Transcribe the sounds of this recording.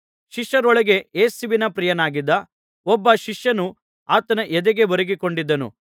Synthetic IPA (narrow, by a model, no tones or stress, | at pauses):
ʃiʂjɐɾɔɭɐɡe̞eːsiʋinɐpɾijɐnaːɡid̪ːɐ | ɔbːɐʃiʂjɐnu | aːt̪ɐnɐʔɛd̪eɡe̞ʋɐɾɐɡiko̞ɳɖid̪ːɐnṵ